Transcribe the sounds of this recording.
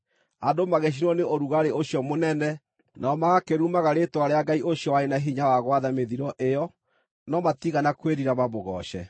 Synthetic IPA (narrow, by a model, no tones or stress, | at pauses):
adomaɣeɕ̬inwɔneoɾuɣaɾeoɕjɔmonɛnɛ | nʔaɔmaɣakeɾumaɣaɾetwaɾeaɡaiʔoɕijɔwaɾenaɦiɲawaɣwaðameðiɾɔʔejɔ | nɔmatiɣanakweɾiɾamaβoɣɔ̰ɕɛ̰